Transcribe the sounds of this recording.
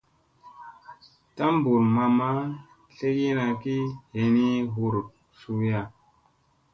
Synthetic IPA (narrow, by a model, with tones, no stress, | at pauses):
ta˦m˦bu˨ɾma˧ma˦ | ɬe˦ki˦na˧ki˦he˨ni˦ɦu˦ɾ | su˧ja˦˨